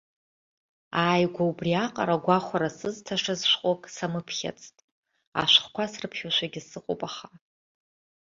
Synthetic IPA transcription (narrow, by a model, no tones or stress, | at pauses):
aːjɡʷaubriaqʼa̰ɾaɡʷaχʷaɾasɨztʰaʂazʃʷqʷʼokʼsamɨpʰχʲa̰t͡sʼtʼ | a̰ʃʷχkʷasrɨpʰχʲoʃʷaɡʲɪsɨqʷʼo̰pʼaχa